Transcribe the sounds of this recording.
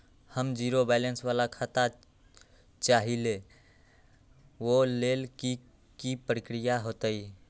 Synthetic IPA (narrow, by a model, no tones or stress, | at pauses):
həmd͡ʒiɾobɛlənsʋalakʰat̪a | t͡ʃaɦile | ʋolelki | kipɾəkɾijaɦoːt̪əi